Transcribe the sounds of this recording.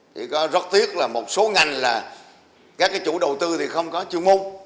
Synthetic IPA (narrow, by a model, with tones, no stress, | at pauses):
t̪ʰi˨˩kɔ˨˦zə˦˥t̚t̪i˦˥ək̚laː˨˩mo˨˩t̚so˨˦ŋa˨˩jŋ̟laː˨˩ | kaː˦˥k̚ːaː˨˦jt͡ɕṵ˧˩ɗə˨˩wt̪ɨ˧t̪ʰi˨˩xə˧wŋ͡mkɔ˨˦t͡ɕɨ˧əŋmo˧ŋ͡m